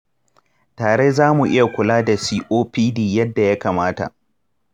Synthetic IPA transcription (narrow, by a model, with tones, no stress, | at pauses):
taː˨ɽe˦zaː˦mu˨ʔɪ˦ja˨kʷʊ˨laː˦da˨siː˦ʔoː˦piː˦diː˦˨jɐ˦dːa˨ja˦kaː˨maː˦ta̰˨ʔ